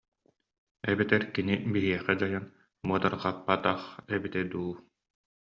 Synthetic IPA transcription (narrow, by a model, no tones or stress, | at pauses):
ɛbit̪ɛɾkinibiɦiɛχɛd͡ʑajan | muɔt̪aɾqapːat̪aχɛbit̪ɛd̪uː